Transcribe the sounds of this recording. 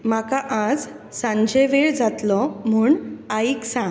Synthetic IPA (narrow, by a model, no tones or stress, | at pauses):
makaʔad͡z | sãɲd͡ʑeʋeɭd͡zat̪lɔm̤uːɳaiksã